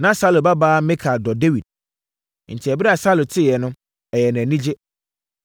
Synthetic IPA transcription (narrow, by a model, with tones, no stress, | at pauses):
nã˨sa˦lo˨ba˦baː˦mɪ̃˦kʰa˨dɔ˨de˦wi˨d̥̚ | n̩˨tʰɪ˨ɛ˨bɪ˦ɾɛ˦a˨sa˦lo˨tʰɪ˦˨jɛ˨nʊ̃˦ | ɛ˨jɛ˨nã˨nĩ˦d͡ʑe˦